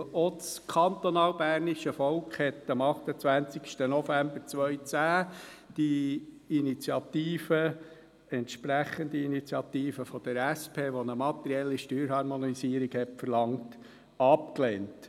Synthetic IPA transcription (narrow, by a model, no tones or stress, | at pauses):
ɔt͡skʰɑnt̪ɔnɑːlbæːɾniʃəfɔlkχhɛt̪ːɑmɑχt̪ət͡sʋænt͡sikʃtənɔfæmbəɾt͡sʋœʏt͡sæːd̥i | init͡sjɑt̪iːfə | ɛntʃpɾæχənd̪iinit͡sjɑt̪iːfəfɔd̥əɾæspʰeːʋɔnəmɑt̪əɾiɛlːiʃtyːɾhɑɾmɔnisiːɾiɡhɛtfərlɑŋt | ɑp̚kleːnt